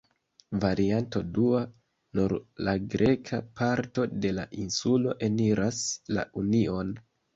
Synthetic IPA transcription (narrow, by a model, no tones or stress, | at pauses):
vaɾianto̞dua | nuɾlaɡɾe̞kʰapaɾto̞de̞laʔinsulo̞ʔe̞niɾasla̰ʔunio̞n